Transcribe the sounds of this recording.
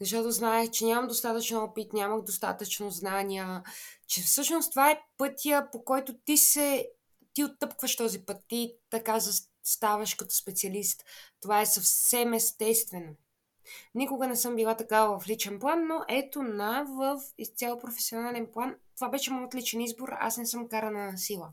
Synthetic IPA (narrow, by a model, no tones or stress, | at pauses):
zɐʃ̬t̪ɔt̪oznaɛxt͡ʃɛnʲamɐmd̪ost̪at̪ət͡ʃnɔpit̪nʲaməxd̪ost̪a̰t̪ət͡ʃnoznaniət͡ʃɛfsɤʃnost̪ovaɛpɤt̪ijəpokɔjt̪ot̪isɛ | t̪iot̪ːɤpkvəʃt̪ɔzipɤt̪ːit̪ɐkazɐ | st̪avɐʃkɐt̪ɔ̥spɛt̪siɐlist̪ːovaɛsɐfsɛmɛst̪ɛst̪vɛno | nikʊɡənɛsɤmbilˠat̪ɐkavəvɐflit͡ʃɛnplˠanːoʔɛt̪onavəfit̪sʲalˠpɾofɛsionalɛnplˠant̪ovabɛʃɛmɔjot̪lit͡ʃɛnizboɾa̰snɛsɤmkaɾənənɐsilˠə